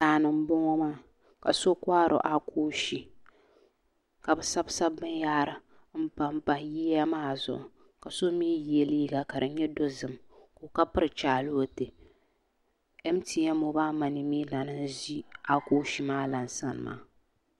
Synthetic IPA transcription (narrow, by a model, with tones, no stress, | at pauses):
aː˨nɨ˨m̩˦bʊ˦ŋɔ˦maː˦ | ka˨so˦kʷaː˦ɾʔo̰˨ʔa˦kʰo˦ʃi˨ | ka˨bɨ˨sa˦bsa˦bːɨ˦njaː˦ɾɨ˨ | m̩˦pa˦mpa˨jiː˦a˦maː˦˨zʊ̰˨ʔʊ˨ | ka˨so˦miː˦jɛ˨liː˦ɡa˨ka˨ɾɨ˨˦ɲɛ˦do˦zɨ˨mko˨ka˦pɨ˦ɾɨ˨t͡ʃaː˨lʊ˦o˦te˨ | ɛ˦m˦ti˨˦a˦mo˨baː˦ma˨ni˨mi˦la˨nɨ˦n˦zi˦a˦koː˦ʃi˦maː˦la˨n˨sa˦n˨ma̰ː˦